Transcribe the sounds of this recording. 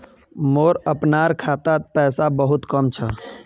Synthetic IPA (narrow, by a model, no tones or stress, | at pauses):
moːɾəpnaːɾkʰaːt̪apɛːsabəɦʊt̪kəmt͡ʃʰə